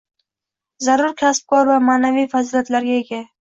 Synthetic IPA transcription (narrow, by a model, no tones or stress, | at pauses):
zaɾʊɾkʲʰasp̚kʰɒɾvamaːnavijfazilʲat̪laɾɡʲae̞ɡʲa